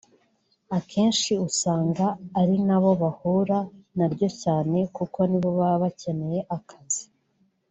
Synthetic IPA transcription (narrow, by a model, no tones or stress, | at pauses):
akʰe̞ːnʃiusaːŋɡaːɾinaβo̞βahuɾanaɾɟo̞caːne̞kuko̞niβo̞βaβace̞ne̞je̞ʔakʰazi̥